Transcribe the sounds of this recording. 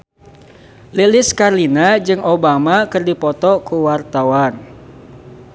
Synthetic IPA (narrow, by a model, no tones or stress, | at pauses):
lilɪskarlinad͡ʒɨŋobamakɨrdipɔt̪ɔkuwart̪awan